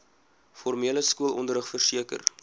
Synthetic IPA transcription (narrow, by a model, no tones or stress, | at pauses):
fɔrmiələskuəlˠʔɔ̰ndəɾɦəχfərsiəkə̰r